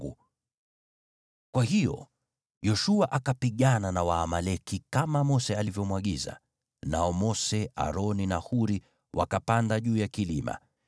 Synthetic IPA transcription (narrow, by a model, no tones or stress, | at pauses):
u | kwahijɔ̰ | jɔʃuaʔakapiɠananawaːmalɛkikamamɔsɛalivjɔmwaɠiza̰ | naɔmɔsɛʔa̰ɾɔninahuɾi | wa̰kapandaʄuːjakilima̰